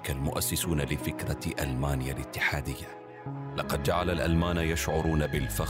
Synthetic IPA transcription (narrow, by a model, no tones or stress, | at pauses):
kalmʊʔasːɪsuːnalɪfɪkɾɑʔa̰lmaːnɪjalɪt̪ːɪħaːd̪ɪjːa | lɑqɑd̪̚d͡ʒaʕalalʔa̰lmaːnjaʃʕʊɾˤuːnabɪlfa